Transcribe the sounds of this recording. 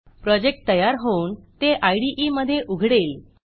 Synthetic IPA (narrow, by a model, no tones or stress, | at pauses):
pɾɔd͡ʑek̚ʈ̚t̪əjaɾɦount̪eʔajɽiʔiməd̪ʱːjeʔuɡʱɽel